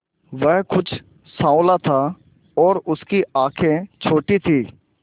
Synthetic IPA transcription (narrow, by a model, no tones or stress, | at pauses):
ʋɛɦkʊt͡ʃʰ | sãːʊlat̪ʰa | ɔːɾʊskiaːkʰẽt͡ʃʰoːʈit̪ʰiː